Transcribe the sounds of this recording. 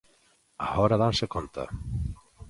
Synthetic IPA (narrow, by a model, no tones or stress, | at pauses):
a̰hɔɾaðansɛkʰɔnt̪ʰa̰